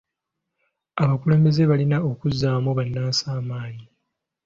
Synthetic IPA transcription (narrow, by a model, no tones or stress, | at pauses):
aβakule̞ːmbe̞ze̞βalinao̞kuzaːmuβanːaːsaːmaːɲi